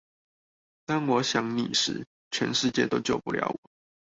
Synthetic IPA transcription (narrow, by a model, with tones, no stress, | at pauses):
t̪ɑ˥˩nwɔ˨˦ɕjɑ˨˩ŋnḭ˨˩ʂɻ̩˨˥ | t͡ɕʰɥɛ̰˨˧˦nʂɻ̩˥˧t͡ɕjɛ̰˥˨t̪o˥ʊt͡ɕjo˥˨ʊpu˥˨ljɑ̰˧˥ʊwɔ˨˩˦